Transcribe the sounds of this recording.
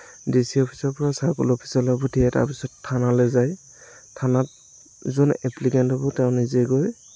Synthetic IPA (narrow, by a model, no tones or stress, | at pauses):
disiɔpʰi̥sɔɹpɔɹasakṵlɔpʰi̥sɔlabɔtʰiɛta̰pisɔtʰːanalɛzaj | tʰanat̚ | zunɛplikɛntabɔtɛʊ̃nizɛɡɔj